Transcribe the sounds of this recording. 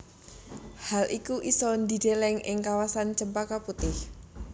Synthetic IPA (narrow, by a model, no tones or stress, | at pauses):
halʔikuʔisɔnd̪idelɛŋʔɪŋkawasant͡ʃəmpakaput̪ɪh